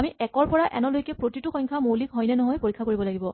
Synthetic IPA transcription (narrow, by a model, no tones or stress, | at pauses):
amiɛkɔɹpɔɹaʔɛnɔlojkɛpɹotituxɔɲkʰamowlikɦɔjnɛnɔɦɔjpoɹikʰːakoɹibɔlaɡibɔ